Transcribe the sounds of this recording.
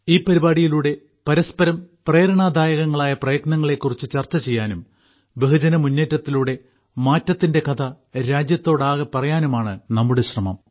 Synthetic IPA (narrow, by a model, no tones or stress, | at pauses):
iːpɐɾibaːɽijiluːɽe̞ | pɐɾɐspɐɾɐmpreːɾɐɳaːd̪ʱaːjɐɣɐŋːɐɭaːjɐprɐjɐknɐŋːɐɭe̞kːurit͡ɕːɨt͡ɕɐrt͡ɕːɐt͡ɕe̞jːaːnum | beɦɨd͡ʑɐnɐmunːeːtːɐt̪ːiluːɽe̞ | maːtːɐt̪ːinde̞kɐt̪ʰɐ | ɾaːd͡ʑjɐt̪ːo̞ːɽaːɣɐpɐrɐjaːnumaːɳɨnɐmːuɽeɕrɐmɐ̰m